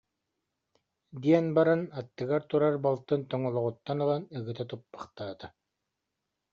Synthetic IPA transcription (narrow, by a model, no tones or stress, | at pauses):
d̪iɛnbaɾanat̪ːɯɡaɾt̪uɾaɾbɔlˠt̪ɯnt̪ɔŋɔlˠɔʁut̪ːanɯlˠanɯɡɯt̪at̪upːḁχt̪aːt̪a